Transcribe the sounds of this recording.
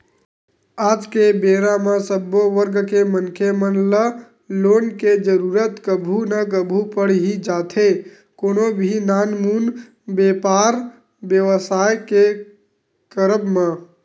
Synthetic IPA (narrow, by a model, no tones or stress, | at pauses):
aːd͡ʒkebeɾamãsəbːoʋəɾɡkemənkʰemənlə | loːnked͡ʒəɾuɾət̪kəbʱunəkəbʱupəɽɦid͡ʒaːt̪ʰe | konobʱinaːnmun | beːpaɾ | bjəʋəsaːjke | kəɾəbmã